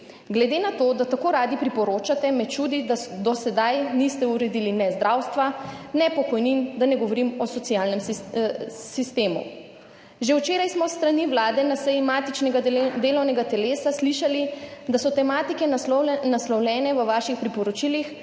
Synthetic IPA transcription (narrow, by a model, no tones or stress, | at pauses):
ɡlɛd̪enat̪od̪at̪akoːɾaːd̪ipɾipɔɾoːt͡ʃat̪ɛmɛt̪t͡ʃuːd̪id̪ad̪ɔsɛd̪ajnist̪ɛuɾɛd̪ilinɛzd̪ɾʔawst̪ʋanɛpɔkɔjnind̪anɛɡɔʋɔɾimɔsɔt̪sijaːlnɛm | sist̪eːmṵ | ʒewt͡ʃeːɾajsmɔst̪ɾaniʋlaːd̪ɛnasɛjimaːt̪it͡ʃnɛɡad̪eːlɔwnɛɡat̪ɛleːsasliʃalid̪asɔt̪ɛmaːt̪ikɛnaslɔwlʲɛːnɛʋəʋaːʃixpɾipɔɾɔt͡ʃilix